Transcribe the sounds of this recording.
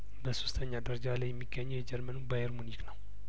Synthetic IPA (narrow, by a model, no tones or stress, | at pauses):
bəsost̪ʰəɲːad̪əɾəd͡ʒalajːɛmːiɡːəɲːɛwjɛd͡ʒɛɾmənubajeɾmuniknəw